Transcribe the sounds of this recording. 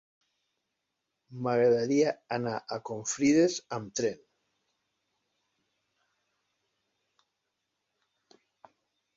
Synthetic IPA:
maɣɾaðaɾiaanaʔakoɱfɾiðezamt̪ɾen

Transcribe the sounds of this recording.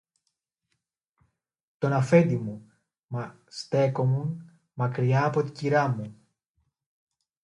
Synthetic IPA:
t̪o̞nɐfe̞nd̪imu | mɐ | st̪e̞ko̞mun | mɐkɾiɐːpo̞t̪i̥ciɾɐmu

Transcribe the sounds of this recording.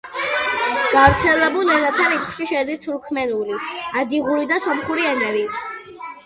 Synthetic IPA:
ɡ̥avɾt̪sʰɛlɛbulˠnɛzat̪ʰanit̪χʃiʃɛd̪zist̪ʰuɾkʰmɛnuliad̪iʁuɾid̪asɔmχuɾiɛmɛvi

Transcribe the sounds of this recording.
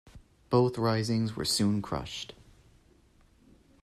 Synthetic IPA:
b̥oʊθɹaɪzɪ̃ŋzwə̰˞sʉ̃nkʰɹ̥ʌ̰ʃt

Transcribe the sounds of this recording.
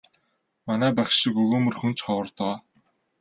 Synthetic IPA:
manæːpæχʃĭkɵɣoːmɵ̆rxɵnt͡ɕχɔwə̆rt̪ɔː

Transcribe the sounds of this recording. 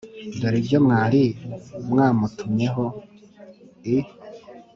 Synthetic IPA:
doɾibɟomŋaːɾimŋaːmutʰumɲe̞ɦo | i

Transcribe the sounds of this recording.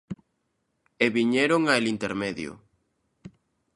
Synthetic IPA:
eβiɲeɾoŋaelint̪eɾmeðjʊ̰

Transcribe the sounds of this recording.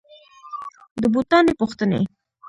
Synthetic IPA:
d̪əbut̪ɑnepuxt̪ənḛ

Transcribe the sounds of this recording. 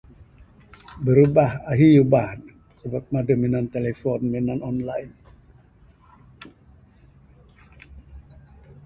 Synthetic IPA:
bəɾubahaɦijubahn | səbap̚madəminant̪elefɔnminanɔnlajn

